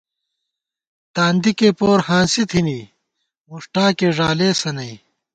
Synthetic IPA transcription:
t̪aːnd̪ikeːpoːɾhãːnsit̪ʰini | muʂʈaːkeːʐaːleːsɐnɐi

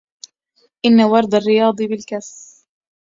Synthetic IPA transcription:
ʔɪnːawɑɾˤd̪ˤarːɪjɑːd̪ˤɨbɪlkas

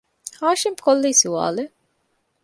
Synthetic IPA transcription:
haːʃimpkolːiːsiʋa̰ːle

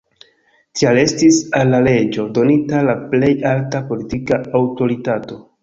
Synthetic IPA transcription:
tʰiale̞stisalːale̞d͡ʒo̞do̞nitalaple̞jaltapo̞litikaawto̞ɾitato̞

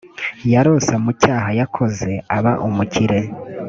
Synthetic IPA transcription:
jaɾo̞samucaːɦajakʰo̞ze̞aβaʔumuciɾe̞

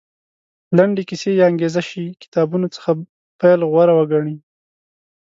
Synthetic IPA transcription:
laɳɖekisejɑaŋɡezaʃikɪ̥t̪ɑbunot͡sə̥xa | pajlɣwaɾawəɡaɳi

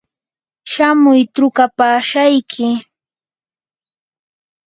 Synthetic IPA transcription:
ʃamʊjʈ͡ʂʊkapaːʃajkʰɪ

